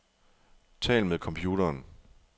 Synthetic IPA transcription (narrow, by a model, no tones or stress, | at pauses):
t͡sʰɛ̰ːlmeðˠkʰɒ̽mpʰjuːɾɐːn